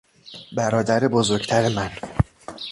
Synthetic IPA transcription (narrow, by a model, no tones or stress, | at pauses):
bæɾɒːd̪æɾebozoɾɡt̪ʰæɾemæn